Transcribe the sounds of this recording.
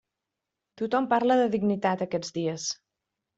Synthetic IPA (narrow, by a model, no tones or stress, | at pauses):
t̪ut̪ɔmpaɾləðəðiɡnit̪at̪əkɛd͡zdiəs